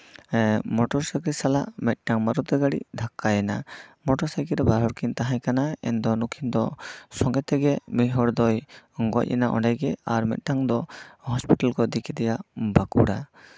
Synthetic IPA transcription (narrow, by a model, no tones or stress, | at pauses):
mɔʈɔɾsakɾisalaʔmɛt̪̚ˀʈaŋmaɾut̪ɛɡaɽḭd̪ʱakːajɛnamɔʈɔɾsajkiɾɛbaɾɦɔɾkint̪aɦãjkanaɛ̰nd̪ɔnukʰind̪ɔsɔŋɡɛt̪ɛɡɛmiɦɔɽd̪ɔjŋɡɔ̰c̚ˀɛ̰naʔɔ̰ɳɖajɡɛaɾmɛ̰t̪̚ˀʈaŋd̪ɔhɔspiʈalkɔd̪ikʰit̪ɛjabakṵɽa